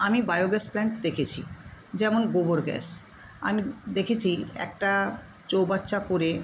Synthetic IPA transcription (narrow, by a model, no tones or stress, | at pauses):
amibajoɡɛsplɛɳʈd̪ekʰet͡ɕʰḭd͡ʑɛmonɡoboɾɡɛ̰s | a̰mid̪ekʰet͡ɕʰiɛ̰k̚ʈa | t͡ɕowbatːʃʰakoɾe